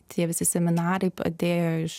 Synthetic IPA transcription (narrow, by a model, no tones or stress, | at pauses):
t̪ʲʰiɛʋʲɪsʲɪsʲɛmʲɪnɑːɾʲɛpɐ̰d̪ʲeːjɔʃ